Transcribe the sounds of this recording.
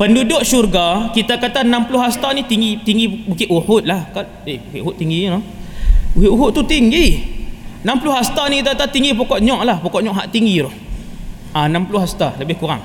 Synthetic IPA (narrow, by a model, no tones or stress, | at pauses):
pəndudʊʔsurɡakit̪akat̪anampulʊhɦast̪anit̪iŋɡit̪iŋɡibukɪʔuhʊt̪̚lahkat | ebukeʔuhʊt̪̚ːiŋɡinʊhbukiʔuɦʊt̪ːut̪iŋɡi | nampulʊɦast̪anikit̪̬aat̪at̪iŋɡipokɔʔɲɔʔlahpokɔʔɲɔʔɦaʔt̪iŋɡiɾɔh | anampulʊhɦast̪aləbɪhkuɾa̰ŋ